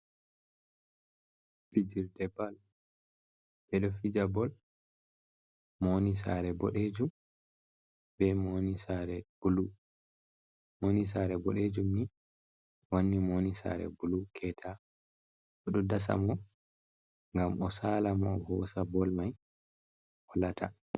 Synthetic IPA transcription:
fid͡ʒiɾdɛbal | bɛɗɔfid͡ʒabɔl | monisa̰ɾɛbɔɗed͡ʒum | b̥ɛmonisaɾɛb̥ulu | monis̬aɾɛbɔɗed͡ʒumni | wonːimonisa̰ɾɛ̰bulukʰɛtʰa | ɔɗɔdas̬a̰mɔ | ŋɡamɔsaːlamɔhɔsabɔlmaj | wɔlatʰa

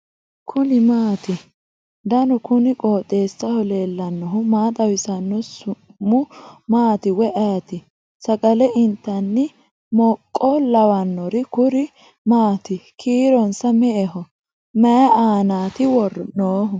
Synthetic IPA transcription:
kʰʊnɪmaːt̪ɪ | d̪ɐnɔkʊnɪkʼoːt̪ʼːeːsːɐhɔleːlːɐnːɔɦʊmaːt̪ʼɐwɪsɐnːɔsʊmːʊmaːt̪ɪwɛʔɐjɐt̪ɪ | sɐkʼɐlɛʔɪnt̪ːɐnːɪ | mɔkʼːɔlɐwɐnːɔɾɪkʊɾɪ | maːt̪ɪkʰiːɾɔnsɐmɛʔɛɦɔ | mɛjɐʔaːnaːt̪ɪwɔrɔnoːɦʊ

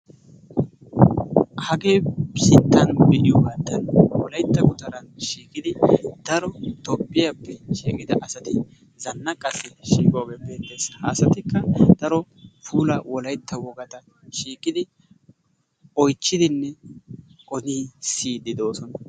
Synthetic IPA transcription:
hɐɡe̞ːsɪt̪ːɐnbɪʔɪjɔbɐnt̪ːɐnwɔlɐjt̪ːɐkʊt̪ɐɾɐnʃiːkʼɪd̪ɪd̪̥ɐɾɔt̪ɔpːɪjɐpːɛʃiːkʼɪd̪ɐʔɐsɐt̪ɪ | zɐnːɐkʼɐsɪʃiːkʼoːɡe̞ːbe̞ːt̪ːe̞ːshaːsɐt̪ɪkːɐd̪̥ɐɾɔ | fuːlɐwɔlɐjt̪ʰːɐwɔɡɐt̪ɐ | ʃiːkʼːɪd̪ɪ | ɔjt͡ʃːɪd̪ɪnːɛ | kʼɔniːsiːd̪ɪd̪o̞ːsɔnɐ

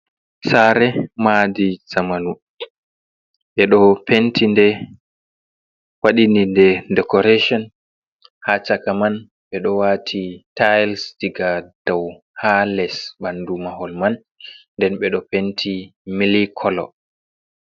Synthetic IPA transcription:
saɾɛmadizamanu | ɓɛɗɔpʰentʰindɛ | waɗinindɛdɛkɔɾeʃɔn | hat͡ʃakaman | ɓɛɗɔwaːtʰitajlsdiɡad̥aw | halɛsɓandumahɔlmanː | dɛnɓɛɗɔpentʰimilikʰɔlɔ̰

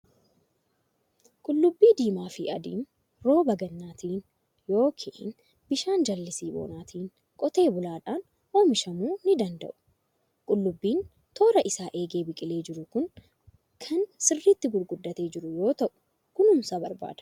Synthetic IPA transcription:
kʼʊlːʊbːiːd̪iːmaːfɪʔɐd̪ḭːn | ɾo̞ːbɐɡɐnːaːt̪ʰiːn | jo̞ːkʰiʔn | bɪʃaːnd͡ʒɐlːɪsiːbo̰ːnaːt̪ʰiːn | kʼɔt̪e̞ːbʊlaːᶑaːn | o̞ːmɪʃɐmuːnɪd̪ɐnd̪ɐ̰ʔʊ̥ | kʼʊlːʊbːiːn | t̪ʰo̞ːɾɐʔɪsaːʔe̞ːɡe̞ːbɪkʼɪle̞ːd͡ʒɪɾʊkʊŋ | kʰɐnsɪrːit̪ːɪɡʊɾɡʊd̪ːɐt̪e̞ːd͡ʒɪɾʊjo̞ːt̪ɐʔʊ̥ | kʊnʊmsaːbɐɾba̰ːd̪ɐ̥

